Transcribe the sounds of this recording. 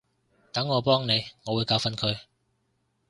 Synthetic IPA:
t̪ɐ˨˥ŋːɔː˨˧pɔː˥ŋne˨˧jŋɔː˨˧wu˨˧jkaː˧wfɐ˥nkʰɵ˨˧ɥ

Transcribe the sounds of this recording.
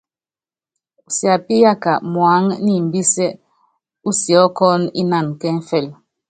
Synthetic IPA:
u˨sja˨pi˦ja˦ka˨mwa˨˦ŋni˦m̩˨bi˦sɛ˦ | u˦sjɔ˨˦kɔ˦ni˦na˦˨nkɛ˦ɱ̩˦fɛ˦˨l

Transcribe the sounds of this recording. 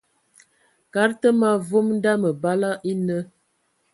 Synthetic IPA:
ka˨˦ɾtə˦ma˦vo˦mn˦da˦mə˨ba˦la˦ʔi˦nə˦

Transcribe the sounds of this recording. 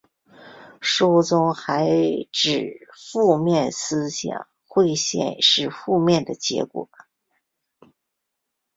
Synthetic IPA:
ʂu˥t͡sʊ˥ŋxa˧˥ɪʈ͡ʂɻ̩˨˩fu˥˧mjɛ˥˩nsɹ̩˥ɕjɑ̰˨˩ŋ | xwe˥˧ɪɕjɛ̰˥˧nʂɻ̩˥˧fu˥˧mjɛ˥˩nd̪ə˩t͡ɕjɛ̰˧˥kwɔ̰˨˩

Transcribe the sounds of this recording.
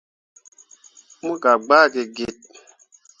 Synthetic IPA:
mu˦ka˨ɡ͡baː˦˨ke˨ɡe˦˨t̚

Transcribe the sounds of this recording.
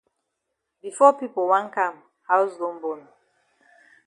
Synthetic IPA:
bi˨fɔ˦pi˦po˨wã˦nkã˦˨m | ha˦ʊsdõ˦nbo˦n

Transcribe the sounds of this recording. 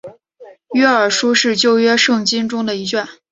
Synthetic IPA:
ɥɛ˥ə˞˨˩ʂu˥ʂɻ̩˥˧t͡ɕjo˥˧ʊɥɛ˥ʂɤ˥˩ŋt͡ɕi˥nʈ͡ʂʊ˥ŋd̪ə˨i˧˥t͡ɕɥɛ˥˩n

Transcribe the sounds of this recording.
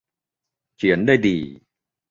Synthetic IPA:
t͡ɕʰi˩˦əndaː˥˩jdiː˨˩

